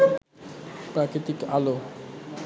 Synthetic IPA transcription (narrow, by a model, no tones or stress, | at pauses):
pɾakɾit̪ikalo